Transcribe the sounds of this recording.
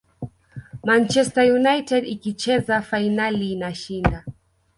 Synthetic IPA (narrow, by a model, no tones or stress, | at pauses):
mant͡ʃɛstajunajtɛdikit͡ʃɛzafainaliːnaʃinda